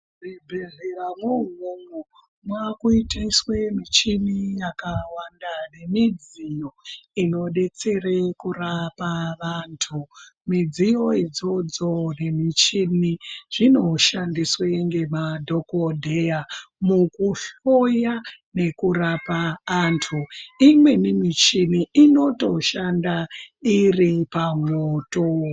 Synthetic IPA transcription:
ribʱeɮeɾamunumu | mwakuitaiswemit͡ʃinijakawandane̞mid͡zijo̞ino̞ɗe̞t͡se̞rekurapaʋantʰumid͡zijo̞id͡zo̞d͡zo̞ne̞mit͡ʃiniʐ̥ino̞ʃandisweŋɡe̞madʱo̞kodʱejamukuɬojane̞kurapaːntʰuimwe̞nimit͡ʃiniino̞to̞ʃandairipamoːto

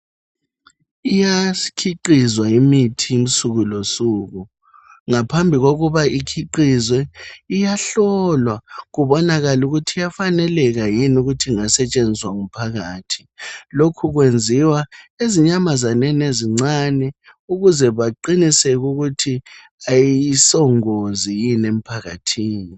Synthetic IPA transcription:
ijakʰiǃizwaimitʰiim̩suɣulosuɣu | ŋapʰambʱiɣoɣuβaikʰiǃizwɛijaɬɔlwaɣuβɔnaɣaluɣutʰijafanɛlɛɣajinuɣutʰiŋasɛt͡ʃʼend͡zʱiswaŋum̩pʰaɣaːtʰi̥lokʰuɣwend͡zʱiwaeziɲamazanɛneziŋ͡ǀanɛ | uɣuzɛβaǃinisɛɣuɣutʰi | ajiisɔŋozijinem̩pʰaɣa̰tʰiːni

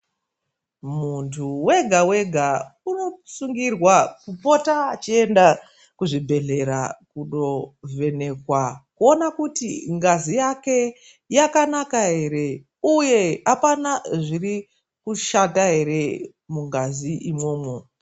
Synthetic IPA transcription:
muntʰuwe̞ɡʱawe̞ɡʱauno̞suŋɡirwakupo̞taːt͡ʃie̞nda | kuʐibʱe̞ɮe̞ɾa̰kuɗo̞ve̞ne̞kwakuo̞nakutiŋɡazijake̞ | jakanakaɦe̞ɾe̞ | uje̞apanaʐiri | kuʃataɦe̞ɾe̞ | muŋɡaziʔimwo̞ːmwe

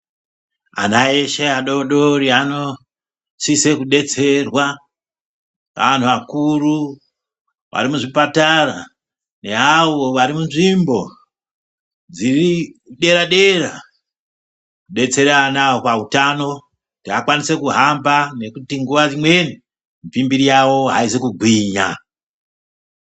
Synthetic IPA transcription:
a̰naeʃeaɗo̞ɗoɾiano̞ | sise̞kuɗe̞t͡se̞rwa | ka̰an̤uʋakuru | ʋa̰ɾimuʐipataɾa | ne̞ɦawoʋaɾimunʐimbo̞ | d͡ziriɗe̞ɾaɗe̞ra | kuɗe̞t͡se̞ɾanaopautano̞ | tiɦakwanise̞kuɦambane̞kutiŋɡuʋad͡zimwe̞ni | mpimbiɾijawo̞ɦa̰izekuɡʱwiːɲa

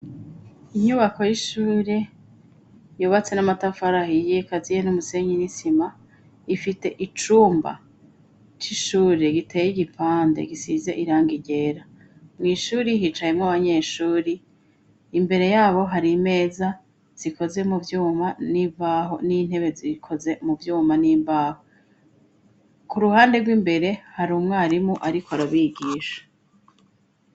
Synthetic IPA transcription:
iɲuβako̞jiʃuːɾe̞ | juβat͡se̞namatafaɾahijekazijenumuseɲinisima | ifite̞ʔit͡ʃuːmba̰ | t͡ʃiʃuːɾeɡitʰe̞ːjiɡipʰaːnde̞̰ɡisize̞̰ʔiɾaːŋɡiɟe̞ɾa | mŋiːʃuːɾiɦit͡ʃajemŋaβaɲe̞ːʃuːɾiː | mbe̞ɾe̞jaːβo̞ɦaɾime̞ːza | z̥iko̞ze̞muvjuːmaniːbaɦo̞nin̥he̞βe̞zikʰo̞ze̞muvjuːmaniːmbaːho | kuɾuhaːnde̞ɾɡwiːmbe̞ɾe̞haɾumŋaːɾimoʔaɾikʰoaɾaβiɡiːʃḁ

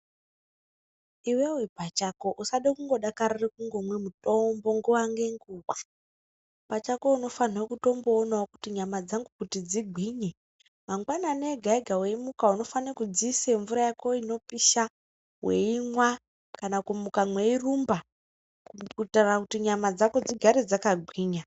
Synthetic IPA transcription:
iwewepat͡ʃako̞ʔusaɗekuŋɡo̞ɗakarirekuŋɡo̞mwe̞muto̞mbo̞ŋɡuwaŋɡe̞ŋɡuːwa | pat͡ʃako̞uno̞fanawokuto̞mboːnawoku̥tiɲamad͡zaŋɡukutid͡ziɡʱwiːɲe | maŋɡwanane̞ɡʱaiɡʱawe̞imukauno̞fanekud͡ziseɱvuɾajakʰo̞ino̞piʃa | weimwa | kanakumukamwe̞irumba | kukutarakutiɲamad͡zako̞d͡ziɡʱaɾed͡zakaɡʱwiːɲa

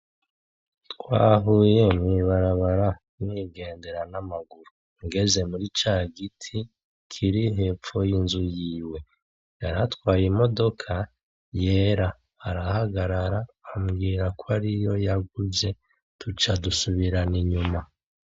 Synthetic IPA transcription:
tkwa̰ːɦujemŋiβaɾaβaɾa | mwiːɡe̞ːnde̞ɾanamaɡuɾu | ŋɡe̞ze̞muɾit͡ʃaːɡitʰi | kʰiɾiɦe̞pp͡ffo̞jinzujiːwe̞ | jaɾatwaːjimo̞do̞kʰa | je̞ːɾa | haɾahaɡaɾaɾaːmɡiːɾakʰoaɾijo̞jaɡuze̞ | tʰut͡ʃadusuβiɾaniɲuma

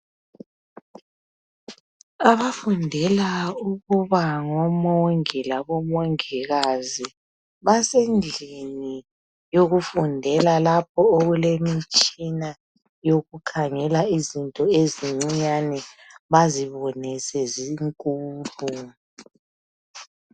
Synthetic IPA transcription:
aβafundʱɛlauɣuβaŋɔmoŋilaβɔmoŋiɣazi | βasend͡ɮʱini | joɣufundʱɛlalap̚ʰɔoɣulemit͡ʃʼina | joɣukʰaŋɛlaizintʼɔeziŋ͡ǀiɲanɛβaziβɔnisɛziŋkʼuːlu

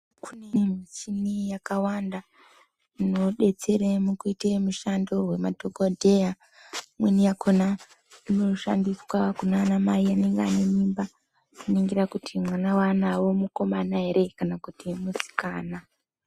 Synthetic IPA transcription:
kunemisinijakawanda | inoɗe̞t͡se̞ɾemukuitemuʃando̞ɦwe̞madʱokodʱe̞ja | mwinijakʰona | ino̞ʃa̰ndiswakunaːnamaiane̞ŋɡeane̞mimba | nuniŋɡiɾakutʰimwanawanawo̞muko̞manaɦe̞ɾe̞kanakutimusi̥kaːna

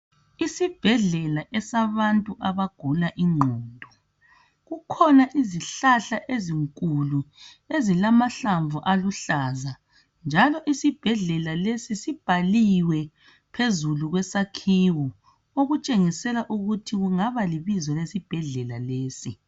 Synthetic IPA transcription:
isib̥ʱɛɮɛlaʔɛsaβantʼuʔaβaɡ̥ʱulaʔiŋ͡ǃʱɔːndʱɔ | ɣukʰɔnaʔiziɬaɬaʔeziŋkʼulu | ezilamaɬaɱvuʔaluɬaːza | nd͡ʒʱalɔʔisib̥ʱɛɮɛlalesisib̥ʱaliwɛ | pʰezuluɣwɛsakʰiwɔ | oɣut͡ʃʼeŋisɛlaʔuɣutʰiɣuŋaβaliβizwɛlesib̥ʱɛɮɛlaleːsi

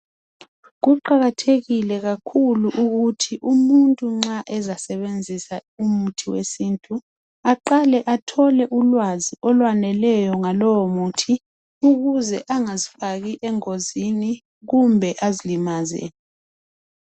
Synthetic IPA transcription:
ɣuǃaɣatʰeɣilɛɣakʰuluʔuɣutʰiʔumuntʼuŋ͡ǁaʔɛzasɛβend͡zʱisaumutʰiwḛsintʼu | aǃalɛʔatʰɔlɛʔulwaziʔɔlwanɛlɛjɔŋalɔwɔmutʰi | uɣuzɛʔaŋazifaɣiʔɛŋozini | ɣumbʱɛʔazilimazɛ̰

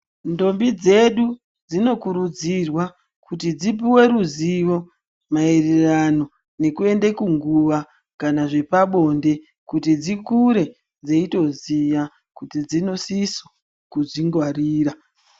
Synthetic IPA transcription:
ndo̞mbid͡ze̞ɗu | d͡zino̞kuɾud͡zirwa | kutid͡zip̬iwe̞ɾuziʋo̞ | maererano̞ | ne̞kue̞ndekuŋɡuʋa | kanaʐe̞paɓo̞nde̞ | kutid͡zikuɾe̞ | d͡zeito̞zija | kutid͡zino̞siso | kuʐiŋɡwariːra

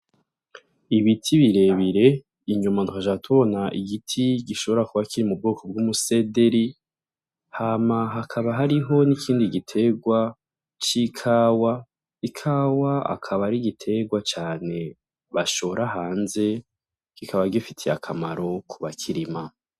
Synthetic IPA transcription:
iβitʰiβiɾe̞βiɾe̞ | iɲumanduhaʒatʰuβo̞naʔiɡitʰiɡiʃo̞βo̞ɾakuβakiɾimub̚ɡuːkob̚ɡumuse̞de̞ɾi | hamaɦakʰaβaɦaɾiɦo̞nikʰiːndiɡitʰe̞ɡwa | t͡ʃikʰaːwa | ikʰaːwaa̰kʰaβaɾiɡitʰe̞ɡwat͡ʃaːne̞ | βaʃo̞ɾʔaɦaːnze̞ | ɡ̥ikʰaβaɡifitʰijakʰamaɾo̞kʰuβakʰiɾima

